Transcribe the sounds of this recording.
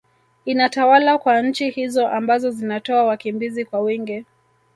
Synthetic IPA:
inatawalakwaɲ̩t͡ʃihizɔʔambazɔzinatɔawakimbizikwawiŋɡɛ

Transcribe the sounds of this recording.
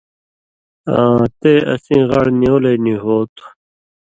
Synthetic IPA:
ãːt̪eːɐ̰sĩːɣɐɽnijoːlenĩɦoːt̪u̥

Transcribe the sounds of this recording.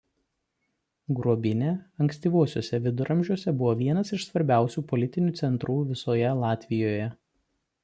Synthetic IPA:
ɡɾuɔbʲɪnʲeːɐŋksʲt̪ʲiːʋuɔsʲoːsʲɛʋʲɪd̪ʊɾʔɐmʲʒʲuɔsʲɛbʊʋɔːʋʲiɛnɐsɪʃsʋɐɾʲbʲæˑʊsʲuːpɔlʲɪt̪ʲɪnʲuːt̪sʲɛnt̪ɾuːʋʲɪsoːjɛlˠɑːt̪ʲʋʲɪjoːjɛ

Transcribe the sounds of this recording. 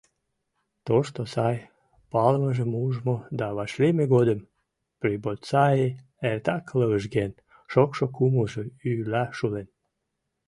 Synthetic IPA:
t̪oʃt̪osɑj | pɑlməʒəmuʒmod̪ɑβɑʃlemeɣod̪əm | pribolsɑe | ert̪ɑkləəʒɡen | ʃokʃokuməʒəylɑʃulen

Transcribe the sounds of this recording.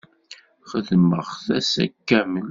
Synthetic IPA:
χəðməʁθæsæ̰kːæmən

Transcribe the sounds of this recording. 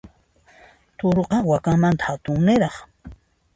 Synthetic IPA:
t̪oɾoqɑwakaŋmant̪ḁhat̪ʊŋnɪɾɑχ

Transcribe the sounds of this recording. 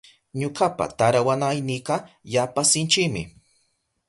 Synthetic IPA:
ɲokapa̰t̪aɾawanajnɪqɑjapasɪnt͡ʃɪkmɪ̰

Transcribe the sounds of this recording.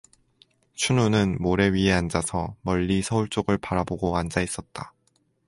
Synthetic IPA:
t͡ɕʰununɯnmoɾe̞ɥiɦeand͡ʑasʰʌmʌʎːisʰʌuɭt͡ɕ͈oɡɯɭpaɾaboɡoand͡ʑais͈ʌt̚t͈a

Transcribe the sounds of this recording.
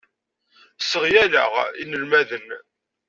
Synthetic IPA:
səʁjælə̰ʁḭnəlmæðən

